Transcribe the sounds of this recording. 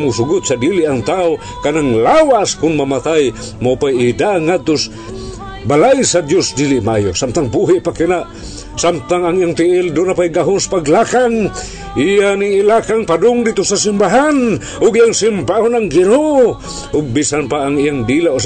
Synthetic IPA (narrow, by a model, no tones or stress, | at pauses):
musʊɡʊt̪̚sad̪ilɪʔaŋt̪ao | kanaŋlawaskʊnmamat̪aj | mapajɪd̪aʔaŋːad̪̚t̪ʊs | balajsɐd̪josd̪ilɪʔmʔa̰josamt̪aŋbuɦɪʔpakɪnaʔ | samt̪aŋaŋijaŋt̪ɪʔɪld̪ʊnapajɡaɦʊnsḁpaɡlakaŋ | ʔijanɪŋɪlakaŋpad̪ʊŋd̪it̪ʊsasɪmbaɦan | ʔʊɡijaŋsɪmbahonaŋɡɪnoʔo | ʔʊɡ̚bisanpaʔːŋɪjaŋd̪ilaʔos